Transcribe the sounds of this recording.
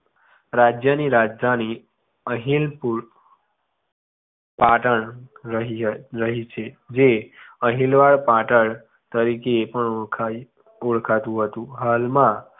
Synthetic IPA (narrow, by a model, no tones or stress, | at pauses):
ɾad͡ʑjəniɾad͡ʑani | əɦilpuɭ | paʈəɳɾəɦiɾəɦit͡ɕʰe | d͡ʑeəɦilʋaɭpaʈəɭ | t̪əɾikepəɳkʰ | uɭkʰat̪ũɦət̪ũɦalma